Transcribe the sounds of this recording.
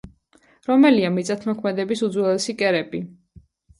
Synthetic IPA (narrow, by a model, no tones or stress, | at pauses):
ɾɔmɛliamit̪sʼat̪ʰmɔkʰmɛd̪ɛbisud̪zwɛlɛsikʼɛɾɛbi